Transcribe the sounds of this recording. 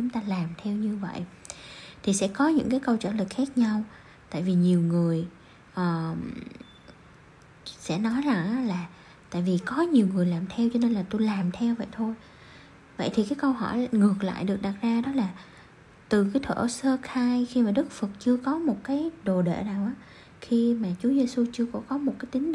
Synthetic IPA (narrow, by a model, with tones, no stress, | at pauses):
t͡ɕʊ˨˦ŋ͡mt̪aː˧laː˨˩mt̪ʰɛ˧wɲɨ˧və̰˧˨j | t̪ʰi˨˩sɛ̰˧˥kɔ˨˦ɲɨ̰˧˥ŋkaː˨˦jkə˧wt͡ɕə̰ː˧˩lɨ˨˩k̚xaː˦˥k̚ɲa˧w | t̪a̰ː˧˨jvi˨˩ɲi˨˩əwŋɨ˨˩əj | ʔəː˨˩ | sɛ̰˧˥nɔ˨˦jza˧˩ŋʔaː˨˦laː˨˩ | t̪a̰ː˧˨jvi˨˩kɔ˨˦ɲi˨˩əwŋɨ˨˩əjlaː˨˩mt̪ʰɛ˧wt͡ɕɔ˧ne˧nlaː˨˩t̪u˧jlaː˨˩mt̪ʰɛ˧wvə̰˧˨jt̪ʰo˧j | və̰˧˨jt̪ʰi˨˩kaː˨˦jkə˧wɦɔ˧˩jŋɨ˨˩ək̚la̰ː˧˨jɗɨ˨˩ək̚ɗa˨˩t̚zaː˧ɗɔ˨˦laː˨˩ | t̪ɨ˨˩kaː˨˦jt̪ʰə̰ː˧˩səː˧xaː˧jxi˧maː˨˩ɗɨ˦˥k̚fə˨˩k̚t͡ɕɨ˧əkɔ˨˦mo˨˩t̚kaː˨˦jɗo˨˩ɗḛː˧˨naː˨˩wʔaː˨˦ | xi˧maː˨˩t͡ɕu˨˦əze˧su˧t͡ɕɨ˧əkɔ̰˧˥kɔ˨˦mo˨˩t̚kaː˨˦jt̪ï˨˦ŋ̟